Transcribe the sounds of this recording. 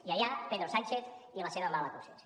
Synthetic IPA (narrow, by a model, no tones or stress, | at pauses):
iajapeðɾosant͡ʃeθiβaseðamalak̪uses